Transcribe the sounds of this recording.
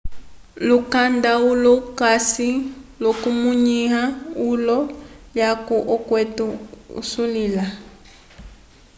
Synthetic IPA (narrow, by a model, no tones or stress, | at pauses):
lukandaulɔkasilokumuɲiɦaulɔlakuʔɔkwɛtuṵsulila